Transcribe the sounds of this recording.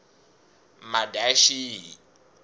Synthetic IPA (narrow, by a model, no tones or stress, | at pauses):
madaʃiɦi